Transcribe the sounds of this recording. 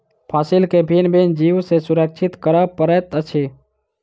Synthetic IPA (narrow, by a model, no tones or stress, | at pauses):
pʰaːsilkebʱinbʱend͡ʒiwsesuɾək̚t͡ʃʰɪt̪kəɾəpəɾət̪ət͡ʃʰe